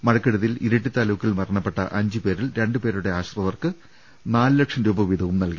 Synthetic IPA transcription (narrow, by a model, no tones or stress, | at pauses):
mɐɻɐkːeɽuðiliɾɐʈːit̪aːluːkːilmɐrɐɳɐpːeʈːɐ̰ʔɐɲd͡ʑɨpe̞ːɾilɾeɳɖɨpe̞ːɾuɽe̞aːɕrɐʋɐrkɨ | naːlɨlɐkʂɐmɾuːbɐʋid̪ʱɐʋumnɐlki